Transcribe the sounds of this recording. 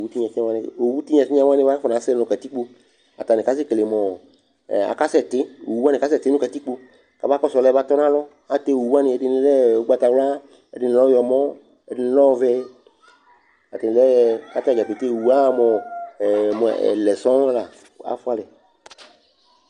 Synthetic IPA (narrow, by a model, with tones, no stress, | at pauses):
o˨wu˦t̪i˦ɲã˨sã˦a˦nɪ̃˦˨o˨wu˦t̪i˦ɲã˨si˦ã˦wa˦ɪ̃˦va˦fɔ˨nã˨˦sɛ˦nɔ̃˨ka˨t̪i˦k͡po˦ | a̰˨t̪a˨nɪ˨ka˦sɪ˦kle˨mɔ̃˨ | a̰˨ka˦sɛ˨t̪ɪ˦˨˦u˦a˦nɪ̃˨ka˦sɛ˨t̪ɪ˦ũ˦ka˨t̪i˦k͡po˦˨ | ka˨ba˦kɔ˦sɔ˨lɛ˦ba˦t̪ɔ˦nã˦lɔ˦ | a˨t̪e˦˨wu˨wu˦a˦nɪ̃˨ɛ˨dɪ˨nɪ̃˨˦lɛ˦o˨˦ɡ͡ba˨t̪a˨wla˦ | ɛ̰˨dɪ˨n˨lɔ˦jɔ˨mɔ̃˦ | ɛ˨dɪ˨n˨lɔ˦˨vɛ˦ | a˨t̪ɪ˨n˨ɛ˦˨ka˦t̪a˨d͡ʒa˨pe˨t̪e˦˨wu˦a˦˨˦mɔ̃˨ | mɔ̰˨lɛ˨sɔ̃˦la˨˦ | a̰˨fʊ˦a˦lɛ˨